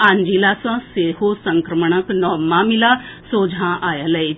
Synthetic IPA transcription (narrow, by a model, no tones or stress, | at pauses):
ãːɲd͡ʒilasãseɦosəŋkɾəməɳ̃əknɔːmamilasoːd͡ʒʱãʔajaləj